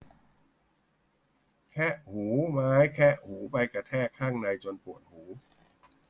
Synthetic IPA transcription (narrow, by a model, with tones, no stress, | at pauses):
kʰɛ˦˥˩ʔhuː˩˦maː˦˥jkʰɛ˦˥˩ʔhuː˩˦pa˧jka˧t̪ʰɛː˥˩kʰaː˥˩ŋna˧jt͡ɕo˧npu˨˩ət̪̚huː˩˦